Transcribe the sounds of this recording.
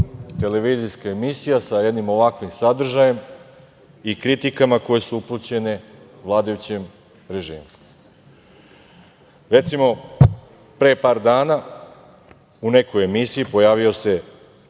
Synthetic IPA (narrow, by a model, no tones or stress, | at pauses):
t̪e̞le̞ʋiːzijskaemisijasaje̞d̪nimo̞ʋakʋimsad̪r̩ʒaje̞m | ikɾit̪ikamako̞je̞suuplˠut͡ɕe̞ne̞ | ʋlˠaːd̪ajut͡ɕem | ɾe̞ʒḭːmu | ɾe̞t̪simo̞ | pɾe̞ːpaːɾd̪aːna | une̞koje̞misijipo̞jaːʋio̞se̞